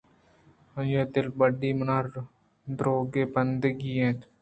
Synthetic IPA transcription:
jed̪ɪl̚bəɖiːmənaɾ | d̪ɾoːɡeːbənd̪əɡiːẽːt̪

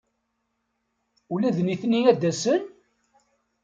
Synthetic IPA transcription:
ulæðniθnːiæd̪æsən

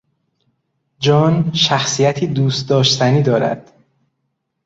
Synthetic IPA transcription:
d͡ʒɒːnʃæxsijæt̪ʰiːd̪uːst̪̚d̪ɒːʃt̪ʰæniːd̪ɒːɾæ̰d̪̥

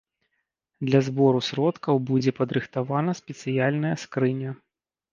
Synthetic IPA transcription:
d̪lʲɐzbɔɾusɾɔt̪kɐwbud͡zʲɛpɐd̪ɾɨxt̪avanɐsʲpʲɛt̪sɨjalʲnɐjɐskɾɨnʲɐ

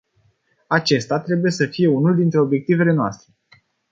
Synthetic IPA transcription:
at͡ʃe̞st̪at̪ɾe̞buje̞səfije̞unuld̪int̪ɾe̞o̞bje̞k̚t̪ive̞le̞noa̰st̪ɾe̞

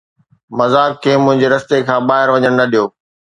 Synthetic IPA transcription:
mɐzaːkkʰːeːmʊ̃ɦɪ̃ɲd͡ʑeɾɐst̪ekʰãːɓaːɦɪɾʋɐɲəɽ̃nɐɗijoː

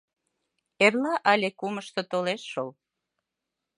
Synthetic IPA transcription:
erlɑʔɑlʲekuməʃt̪ŏt̪oleʃːol

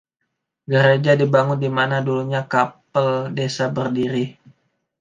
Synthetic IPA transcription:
ɡəɾed͡ʒadibaŋʊndimanaduluɲakapəldesabərdiɾi

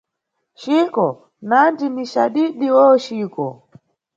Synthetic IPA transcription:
ʃikɔ | nandiniʃaɗiɗiwɔʃikɔ

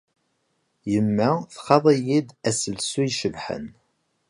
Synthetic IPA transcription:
jəmːaθχɑðˤijid̪æsəlsujʃəvħə̰n

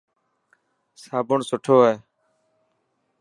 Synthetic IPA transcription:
saːbʊɳsʊʈʰoːeː

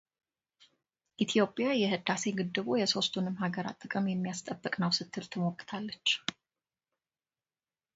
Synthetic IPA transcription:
ʔit̪ʰijo̞pʼjajɛhɨd̪ase̞ɡɨd̪ːɨβojɛso̞st̪ʰunɨmhaɡəɾa̰t̪ʼːɨkʼəmjɛmːijast̪ʼəbːəkʼnəwsɨt̪ʰːɨlt̪ʰɨmokʼːt̪ʰalːət͡ʃː

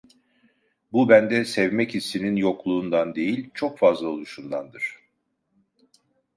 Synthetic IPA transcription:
bubænd̪ɛsɛvmɛchisːininjo̞klˠuːnd̪and̪e̞jilʲt͡ʃʰo̞kfazlˠaolˠuʃund̪and̪ɯɾ̝̥

